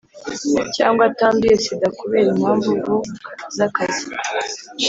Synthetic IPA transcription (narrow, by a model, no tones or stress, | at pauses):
caːŋɡwataːndujesidakuβe̞ːɾimaːɱvuɡuzakazi